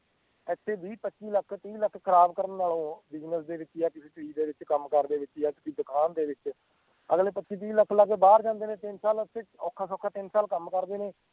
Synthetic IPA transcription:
ɛt̪ʰːeːbʱiːpətːʃiːləkʰt̪iːləkʰːkʰəɾaːbkəɾənːaːlõːbɪd͡ʒnəsd̪eːʋɪt͡ʃjaːkɪseːt̪ɽiːd̪eːʋɪt͡ʃkəmkəɾd̪eːʋɪt͡ʃjaːk̪ɪsiːd̪əkʰaːnd̪eːʋɪt͡ʃ | əɡleːpətːʃiːt̪̬iːləkʰːləkbaːɾd͡ʒãːnd̪eːnẽːt̪ɪnsaːlət̪ʰːeːɔːkʰːaːsɔːkʰaːt̪ɪnsaːlkəmkəɾd̪eːneː

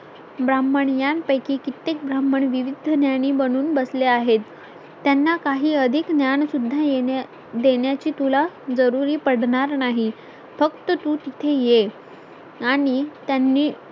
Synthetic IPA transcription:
bɾamːəɳjanpəjkiːkit̪ek̚bɾamːəɳʋiʋid̪ʱənjaɳ̃iːbəɽ̃uːnbəsleaɦet̪ː | janːakaɦiːəd̪ʱiknjaɳsud̪ʱːaje | d̪eɳjat͡ɕiːt̪ulad͡zəɾuɾiːpəɽɳaɾnaɦi | fəkt̪ət̪uːt̪it̪ʰeje | aɽ̃it̪janːiː

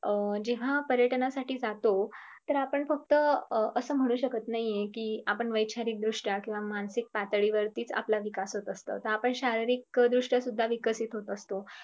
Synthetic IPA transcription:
əd͡ʑeʋ̤apəɾjəʈnasaʈiːd͡zat̪o | t̪əɾapəɳfək̚t̪əəsəːm̤əɽ̃uːɕəkət̪naɦiekiːapəɳʋəjt͡ɕʰaɾiːk̚d̪ɾuʂʈakĩw̃ʋamansik̚pat̪əɭiʋəɾt̪iːt͡sa̰plaʋikasɦot̪əst̪ə̰t̪əɾapəɳɕaɾiɾikd̪ɾuʂʈəsud̪ʱːaʋikəsit̪ɦot̪əst̪o

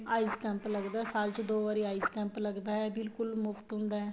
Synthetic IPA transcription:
aːizkɛ̃ːmpləɡd̪aːɛsaːlt͡ʃd̪oːʋaːɾiːaːizkɛ̃ːmpləɡd̪aːɦɛːbɪlkʊlmʊft̪ɦʊ̃nd̪aːɦɛː

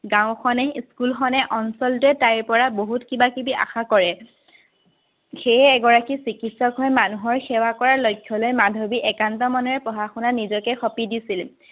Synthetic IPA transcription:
ɡãwʊ̃xɔnɛskulxɔnɛʔɔnsɔltuɛtajɹpɔɹaboɦutkibakibiʔa̰xakɔɹɛ | xejːɡɔɹakisikitsɔkɦɔjmanuɦɔɹxɛwakɔɹaɹlojkʰːɔlojmadʱobiʔɛkantɔmɔnɔɹɛpɔɦaxunanizɔkɛxɔpidisil

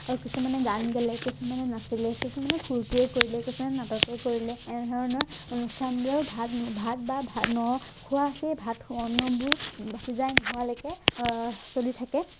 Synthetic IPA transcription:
aɹukisumanɛɡanɡɛlɛkisumanɛnasilɛkisumanɛkʰuɹtiɛkoɹilɛkisumanɛnatɔkɛjkoɹilɛːnɛdʱɔɹɔnɔɹonustʰandiɔɹbʱatbʱat̚babʱanɔkʰʊwasɛbʱatʰɔnːɔbuɹbasizajnɔɦɔwalɔjkɛ | solitʰakɛ

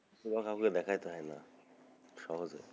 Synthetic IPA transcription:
subakapoked̪ɛkʰajt̪eɦɔjna̰ | ʃɔɦozḛ

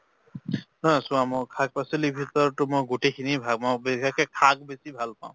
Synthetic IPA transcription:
nɔsũamɔkʰak̚paselibʱitɔɹtʊmojɡotekʰinibʱaɡ̚mɔbikakɛkʰaɡ̚besibʱalpã̰ʊ̃

